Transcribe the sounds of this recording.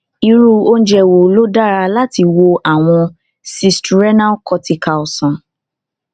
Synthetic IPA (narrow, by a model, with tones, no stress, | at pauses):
i˧ɾu˦˨o˦n̩˦d͡ʒɛ˧˨wo˨lo˦da˦ɾa˧la˦ti˧wo˧ʔa˦˨w̃ɔ̃˧ | si˧stu˨ɾɛ˦na˦kɔ˧ti˧ka˨ɔ˨sɔ̃˨